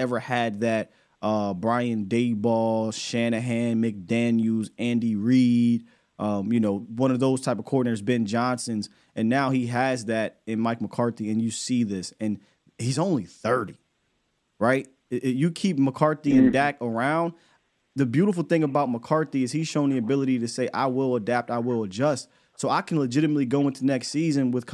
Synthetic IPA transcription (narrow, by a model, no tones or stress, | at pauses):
ɛvə˞ɨd̪̚ðɨt̚ | ʔʌbɹaɪɨ̃ndeɪbɔlˠʃænɨɦæ̃nmɪk̚d̥æ̃njʉzæ̃ndiɹid̥̚ | ʔʌ̃mjɨnoʊwʌ̃ñʌvðoʊz̥tʰaɪpʌv̥kʰɔɹdⁿnə˞zbɛ̃nd͡ʒɑ̃nsɨ̃nz | ʔɨ̃nːaʊhiɨzðɨɾɨ̃nmaɪk̚məkʰɑɹθiɨ̃njɨsiðɪsɨ̃n | hizõʊ̃nliθɜ˞ɾḭ | ɹaɪt̚ | jɨkʰip̚məkʰɑɹθiɨ̃ndækə˞ãʊ̃nd | ðɨbjʉɾəfl̩ˠθɪ̃ŋəbaʊt̚məkʰɑɹθiɨz̥iz̥ʃõʊ̃nðiɨbɪlˠəɾiɾɨseɪʔa̰ɪwɪlˠədæp̚taɪwɪlˠəd͡ʒʌst | soʊaɪkʰnləd͡ʒɪɾɨmətˡliɡoʊɪ̃ntʰɨnɛkstsizɨ̃nwɨð̥kʰ